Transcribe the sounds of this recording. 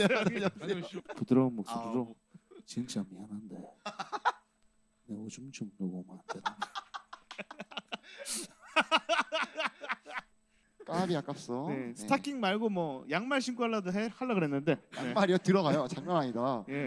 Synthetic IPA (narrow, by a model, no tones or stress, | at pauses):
pudɯɾʌɯnmokssodudo | t͡ɕiŋt͡ɕamiɦanandḛ | neod͡ʑumt͡ɕomnoɡomanad | k͈abiak͈ap̚s͈ʌnesɯetʰakʰiŋmaɭɡomwʌjaŋmaɭɕʰiŋk͈aɭːadoɦehaɭːaɡɯɾɦe̞nːɯnde̞jaeŋmaɾiʌtɯɾʌɣajot͡ɕaŋɲʌnɦaɲidaje̞